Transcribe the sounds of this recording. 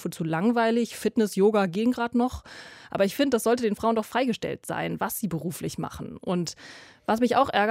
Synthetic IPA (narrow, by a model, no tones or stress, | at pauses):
fət͡suːlaŋvaɪlɪçfɪtnɪsjoːɡaɡeːŋɡʁaːtnɔχʔa̰ːbɐɪçfɪndədasz̥ɔltədeːnfʁ̥aʊndɔχfʁ̥aɪɡəʃtɛ̰ltz̥a̰ɪnvasz̥iːbəʁuːflɪçma̰χn̩ʔʊntvasmɪça̰ʊxʔɛɐɡ